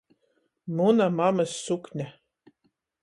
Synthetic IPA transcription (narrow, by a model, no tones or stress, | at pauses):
munamamɨsːuknʲæ